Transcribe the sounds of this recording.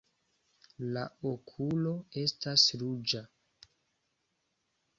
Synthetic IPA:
laokʰulo̞e̞stasɾud͡ʒa

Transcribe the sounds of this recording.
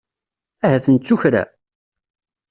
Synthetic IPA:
æɦæθənt͡sːuçɾæ̰

